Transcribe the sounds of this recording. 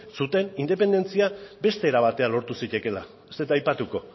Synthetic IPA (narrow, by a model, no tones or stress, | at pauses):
sut̪e̞nind̪e̞pe̞nd̪e̞nt͡siabe̞st̪e̞ːɾaβat̪e̞alo̞ɾt̪usit̪e̞ke̞la | set̪ajpat̪uko̞